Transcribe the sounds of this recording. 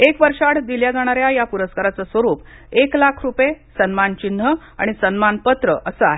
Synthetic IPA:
ekʋəɾʂaʈd̪iljad͡zaɽ̃aɾjajapuɾəskaɾat͡səsʋəɾuːp | eklakʰɾupjesənmant͡ɕin̤ːə | a̰ɽ̃isənmanpət̪ɾəʔəsəa̰ɦe

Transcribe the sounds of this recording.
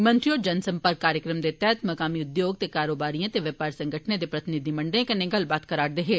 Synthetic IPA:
mɐ̃nt̪ɾiɔːɾd͡ʒɐnsɐ̃mpəɾkːaːɾjəkɾəmd̪et̪ɛːt̪mɐkaːmiʊd̪joːɡ̚t̪ekaːɾoːbaːɾijãt̪eʋjəpaːɾsɐ̃ŋɡʱəʈʰned̪epɾɐt̪ɪnɪd̪ʱimɐ̃ɳɖəẽkɐneɡɐlbaːt̪kɐɾaːɽd̪eɦeː

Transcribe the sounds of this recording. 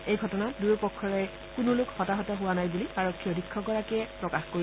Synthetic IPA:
ejɡʱɔtɔnatdujɔpɔkʰːɔɹɛ | kʊnʊlʊkxɔtaɦɔtɛɦʊwanajbuliaɹɔkʰːiɔdʱikʰːɔɡɔɹakiɛpɹɔkaxkoi

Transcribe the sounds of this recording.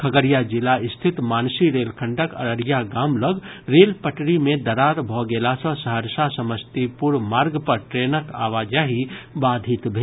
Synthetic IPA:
kʰəɡəɾijad͡ʒɪlaɪst̪ʰɪt̪maːnsiɾeːlkʰəɳɖəkə̰ɾəɾjaɡaːmləɡ | ɾeːlpəʈɾimẽd̪əɾaɾbʱɔɡelasə̃səɦəɾsasəməst̪ipuɾmaːɾɡpəɾʈɾeːnəka̰ːʋad͡ʒaɦibaːd̪ʱit̪bʱe

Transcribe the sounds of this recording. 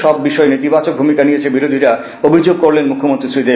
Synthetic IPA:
ɔbːiʃɔenit̪ibat͡ɕok̚bʱumikanijet͡ɕʰebiɾod̪ʱiɾa | obʱid͡ʑoɡ̚koɾlenmukʰːomont̪ɾisɾid̪e

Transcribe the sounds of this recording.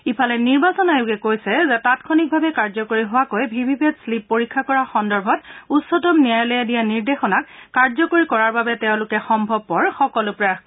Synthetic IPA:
ipʰalɛniɹbasɔnajʊɡɛkojsɛzɛtatkʰonik̚bʱabɛkaɹzɔkoɹiɦʊwakojbʱibʱibʱetslipːoɹikʰːakɔɹaxɔndɔɹbʱɔtutsɔtɔmnijajlɛjadijaniɹdexɔnakːaɹzɔkoɹikɔɹaɹbabɛtɛʊ̃lʊkɛxɔmbʱɔb̚pːɔɹxɔkɔlʊpɹa

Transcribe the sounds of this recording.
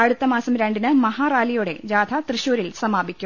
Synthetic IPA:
ɐɻut̪ːɐmaːsɐmɾeɳɖinɨmɐɦaːraːlijuːɽe̞̰d͡ʑaːd̪ʰʱɐt̪rɨɕuːɾilsɐmaːbikʲːum

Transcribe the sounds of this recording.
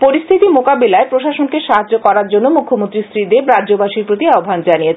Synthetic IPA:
poɾist̪ʰit̪imokabilaepɾoʃaʃonkeʃaɦad͡ʑokɔɾaɾd͡ʑonːomukʰːomõnt̪ɾisɾid̪ebɾaobaʃiɾpɾot̪iaobʱand͡ʑanijet͡ɕʰ

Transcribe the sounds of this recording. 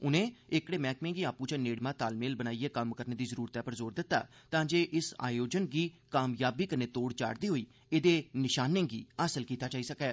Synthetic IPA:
ʊnẽːɪkɽeːmɛ̃ːkmẽːɡiːaːpũːt͡ʃãneːɽmãːt̪aːlmeːlbənaːieːkəmkəɾneːd̪iːzəɾuːɾt̪ɛːpəɾzoːɾd̪ɪt̪ːa̰ːt̪ãːd͡ʒeːʔɪsa̰ːjoːd͡ʒənɡiːkaːmjaːbiːkəneːt̪oːɽt͡ʃa̰ːɽd̪iːɦoːiː | ed̪eːnɪʃaːnẽːɡḭːaːsəlkiːt̪aːt͡ʃaːiːsəkɛː

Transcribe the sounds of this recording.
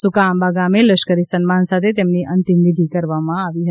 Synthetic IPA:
sʊkaːmbaːɡamẽləʃkəɾisənmaːnsat̪ʰet̪̬emniʔɐnt̪imʋɪd̪ʱikɐɾʋamãaʋiɦə

